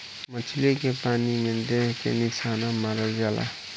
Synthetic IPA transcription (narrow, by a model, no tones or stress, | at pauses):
mət͡ʃʰilekepaniment̪ekḛnisʰanamaɾəld͡ʒala̰